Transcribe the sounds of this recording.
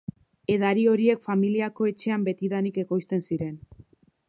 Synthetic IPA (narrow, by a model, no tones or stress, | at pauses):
e̞ðaɾio̞ɾie̞kfamiliako̞e̞t͡ʃe̞ambe̞t̪iðanike̞ko̞jst̪e̞nsiɾe̞n